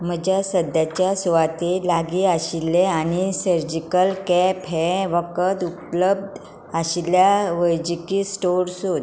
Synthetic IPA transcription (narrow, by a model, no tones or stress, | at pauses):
m̤əd͡ʑjasəd̪jat͡ɕjasuʋat̪elaɡiaɕilːeañisəɾd͡ʑikəlkɛpɦɛʋəkət̪upləb̚d̪ | aɕiljaʋəjd͡ʑikiːsʈoɾsot̪